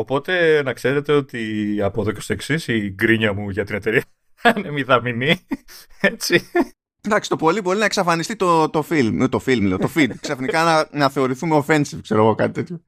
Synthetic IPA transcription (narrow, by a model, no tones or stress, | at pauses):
o̞po̞t̪e̞nɐkse̞ɾe̞t̪e̞o̞t̪iɐpo̞ðocest̪oeksisiɡɾiɲɐmuʝɐt̪inet̪e̞ɾiɐ | ɐnemiðɐmini | et͡si | d̪ɐksi̥t̪opo̞libo̞ɾinɐeksɐfɐnist̪it̪ot̪o̞filmet̪o̞filmleot̪o̞fid̪ksɐfnikɐnɐnɐθe̞o̞ɾiθumeofe̞nsifkse̞ɾo̞ɣo̞kɐt̪it̪e̞t̪ço̞